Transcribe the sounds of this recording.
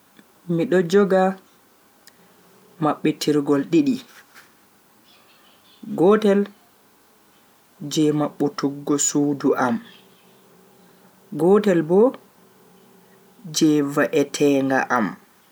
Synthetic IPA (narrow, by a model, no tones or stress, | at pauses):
miɗɔd͡ʒɔɡa | maɓːɛtʰiɾɡɔlɗiɗi | ɡɔtɛl | d͡ʒɛmaɓːutuɡːɔsuːduʔam | ɡɔtɛlbɔ | d͡ʒɛvaʔɛtʰɛːŋɡa̰ʔam